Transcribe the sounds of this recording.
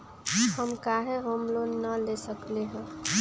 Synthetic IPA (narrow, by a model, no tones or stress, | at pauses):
həmkaɦeɦomlonəlesəkleɦə̃